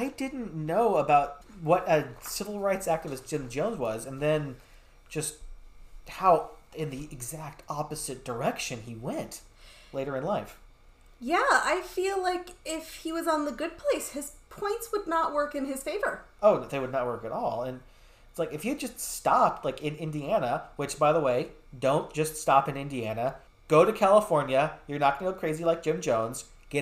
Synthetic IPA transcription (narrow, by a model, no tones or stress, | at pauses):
aɪdɪdⁿn̩noʊəbaʊt̚wʌɾɨsɪvl̩ˠɹaɪtsæk̚tɨvɨsɪ̃nd͡ʒõʊ̃nzwʌzɨ̃nðɨ̃n | d̥ʒ̥ʌst̚ | haʊɪ̃nðiɨɡzæk̚tʰɑpɨzɨt̚d̥ə˞ɛkʃɨ̃niwɛ̃nt | leɪɾə˞ɨ̃nlaɪf | jæaɪfilaɪkɪfhiwʌzn̩ðɨɡʊd̚pʰl̥eɪshɨz̥pʰɔ̃ɪ̃ntswədⁿnəʔ̚wɜ˞kɨ̃nɪz̥feɪvə˞ | oʊðeɪwɨdⁿnət̚wɜ˞kɨɾɔlˠɨ̃n | ɪtslaɪkɨfjɨd̚d͡ʒʌststɑp̚ʰlaɪkɪ̃nɪ̃ndiænəwɨt͡ʃb̥aɪðəweɪ | dõʊ̃nd̥ʒ̥ʌststɑpɨ̃nɪ̃ndiænɨ | ɡ̥oʊɾɨkʰælˠəfɔɹnjɨjə˞nət̚ɡ̥ʌ̃nəkʰɹ̥eɪzilaɪk̚d̥ʒ̥ɪ̃md͡ʒõʊ̃nz̥ | ɡ̥ɛ